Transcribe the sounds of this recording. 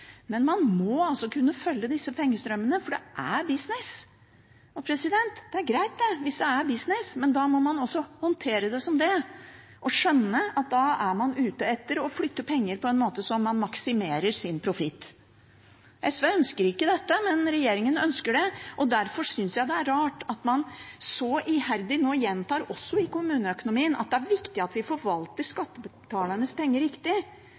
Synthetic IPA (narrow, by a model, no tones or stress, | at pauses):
mɛnmɑnmɔɑlsɔkʰʉnːəfœlːəd̪ɪsːəpʰɛŋːəst̪ɾœmːənəfɔɖɛʔæɾbɪsnɪs | ɔpʰɾɛsɪd̪ɛnt̪d̪̥ɛæɾɡɾæɪt̪̚d̪ɛʋɪsd̪ɛæɾbɪsnɪsmɛnd̪ɑmɔmɑnɔsːɔhɔnt̪ʰeːɾəd̪ɛsɔmd̪ɛʔɔʂœnːəɑt̪̚d̪ɑæɾmɑnʉːt̪əɛt̪ːəɾɔflʏt̪ːəpʰɛŋːəɾpʰɔɛnmoːt̪əsɔmːɑnmɑksɪmeːɾəɾsɪnpʰɾʊfɪt̪ː | ɛsʋæœnskəɾɪkːəd̪ɛt̪ːəmɛnɾɛjeːɾɪŋənœnskəɖɛʔɔd̪æɾfɔsʏnsjæɪd̪ɛæɾːɑːʈɑt̪mɑnsɔʔɪhæɾd̪ɪnoːjɛnt̪ʰɑːɾɔsːɔɪkʊmʉːnəœkʊnʊmiːənʔɑ̰t̪̚d̪ɛæɾʋɪkt̪ɪɑt̪ʋɪfɔɾʋɑlt̪əɾʂkɑt̪ːəbət̪ʰɑːləɳəspɛŋːəɾɪkt̪ɪ